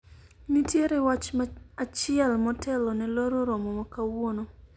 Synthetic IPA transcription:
nitjeɾɛwat͡ʃmaat͡ʃɪɛlmɔtɛlɔnɛloɾoɾomomɔkawono

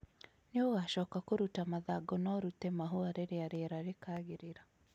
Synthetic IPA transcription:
neoɣaʃɔːkakoɾutamaðaɡɔnɔɾutemaɦuaɾeɾeaɾeɾaɾekaːɣeɾeɾa

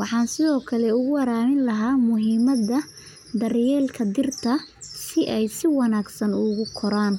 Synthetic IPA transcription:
wɑħɑːnsɪðɔːkʰɐlɛʊɣʊwɐɾaːmɪnlɐɦaːmʊɦiːmɐðɐ | d̪ɐrjɛːlkʰɐd̪ɪrt̪ʰɐsɪʔɛjsɪwɑnaːɡsɐnʊɣʊkʰɔɾaːn

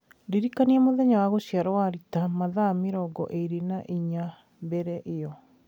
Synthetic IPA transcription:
ndeɾikaniɛmoðɛɲawaɣoɕiaɾɔwaɾitamaðameɾɔɡɔ̰ʔeɾenaʔiɲa | mbɛɾɛʔejɔ

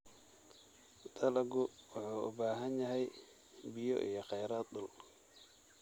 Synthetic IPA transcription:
d̪̥ʰɐlɐɡʊwʊħuːʊ̰baːɦɐnjɐɦɛj | bɪjɔ̰ʔḭjɞqɛjɾaːt̪̚d̪ʊl

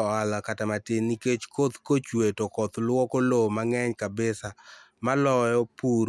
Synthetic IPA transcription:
alakatamatɪniket͡ʃkot̪kot͡ʃwetokɔt̪lwɔkolomaŋɛɲkabɪsamalɔjɔpuɾ

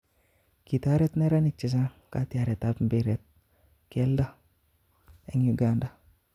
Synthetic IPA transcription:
kit̪aɾɛt̪neɾanɪk̚t͡ʃɪs̬akat̪iaɾɛt̪apmbeɾɛt̪̚ | kɛlda | ɛŋjuɡanda

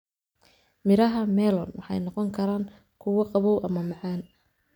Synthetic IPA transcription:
mɪɾɐɦɐmɛːlɔnwɑħɑ̰jnɔqɔŋkʰɐɾaːŋ | kʰʊwɐqɑβɔwʔɐmɐmɑʕɑːn

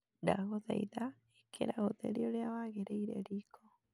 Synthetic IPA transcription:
ndaɣoðɛ̰iða | ekʰḛɾaɣoðḛɾioɾeawaɣeɾeiɾḛɾikʰo

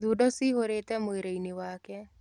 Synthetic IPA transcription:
d̪udɔsiɦoɾet̪ɛmojɾejniwakɛ

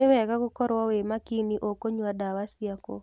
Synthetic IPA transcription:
ɪwɛkaɡʊkɔɾwɔwemakiniʔokoɲwadawasjako̰

